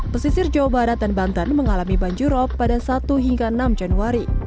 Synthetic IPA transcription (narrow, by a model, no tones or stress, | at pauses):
pəsisɪrd͡ʒaobaɾat̪̚danbant̪anməŋalamibaɲd͡ʒuɾɔpːadasat̪uɦiŋɡaənamd͡ʒanuaɾi